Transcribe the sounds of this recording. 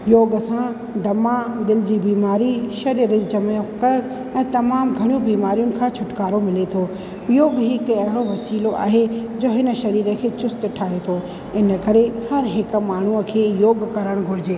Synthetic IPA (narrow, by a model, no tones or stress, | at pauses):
joːɡsã | d̪ɐmad̪ɪld͡ʑiːbiːmaːɾiʃɐɾiːɾəd͡ʑt͡ɕɐmjõkɐ | ɛ̃ːt̪ɐmaːmɡʱɐɽ̃ijũbiːmaːɾijʊnɪ̆kʰãːt͡ɕʰʊʈkaːɾomɪlet̪ʰoː | joːɡɦɪkɐɦɪɽoʋɐsiːloʔa̰ːɦed͡ʑoːɦɪnə̆ʃɐɾiːɾəkʰeːt͡ɕʊst̪ʈʰaːɦet̪ʰoː | ɪnə̆kɐɾehɐɾɦɪkmaːɳ̤uəkʰeːjoːɡkɐɾəɽ̃ɡʱʊɾɪd͡ʑeː